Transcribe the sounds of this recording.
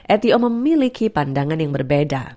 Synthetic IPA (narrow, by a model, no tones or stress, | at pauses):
ʔɛt̪ioməmilikʰipandaŋanjaŋbərbeda̰